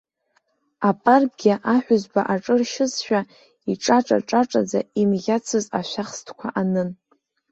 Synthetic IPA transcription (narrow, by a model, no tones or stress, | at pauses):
apʼarb̚ʼɡʲiʔaħʷᶣʊzbaʔaʈ͡ʂʼɨrʃɪzʃᶣa | iʈ͡ʂʼaʈ͡ʂʼa̰ʈ͡ʂʼaʈ͡ʂʼad͡zaimɣʲat͡sʰɨzaʃʷaχstʰkʷʰa̰ʔanɨn